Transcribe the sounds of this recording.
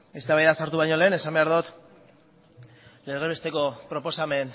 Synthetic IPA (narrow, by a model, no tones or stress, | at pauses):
e̞st̪aβajðasaɾt̪uβaɲo̞le̞ːne̞sambe̞aɾðut̪ | le̞reβe̞st̪e̞ko̞pɾo̞po̞same̞n